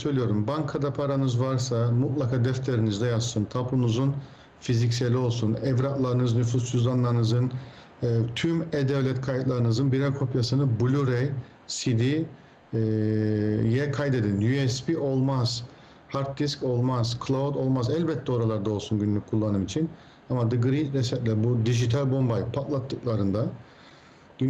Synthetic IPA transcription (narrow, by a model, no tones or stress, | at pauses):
søjlʲijo̞ɾumbaŋkʰad̪apʰaɾanɯzvaɾsamut̪lˠakʰaːd̪ɛft̪ʰleɾinizd̪ɛjazsɯnt̪ʰapʰunuzun | fizicselʲio̞lˠsunɛvɾat̪lˠaɾɯnɯznyfusːyzlˠanlˠaɾɯnɯzɯn | t̪ʰymɛd̪ɛvlʲɛt̪kʰajt̪lˠaɾɯnɯzɯnbiɾɛkʰo̞pjasɯnɯbulʲuɾɛj | sid̪i | jɛkʰajd̪e̞d̪injuɛspiʔo̞lˠmaz | haɾt̪̚d̪isko̞lˠmazkʰlˠad̪o̞lˠmazɛlʲbɛt̪ʰːɛo̞ɾalˠaɾd̪ao̞lˠsunɟynlʲyckʰulˠːanɯmit͡ʃʰin | amad̪ɯɡɯɾint̪ɾɛsɛt̪lʲɛbud̪iʒit̪ʰalʲbo̞mbajpʰat̪lˠat̪ʰːɯklˠaɾɯnd̪a | d̪̥y